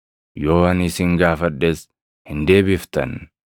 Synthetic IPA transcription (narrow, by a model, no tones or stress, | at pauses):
jo̞ːɐnɪsɪŋɡaːfɐᶑːeːs | hɪnd̪e̞ːbɪft̪ɐ̰n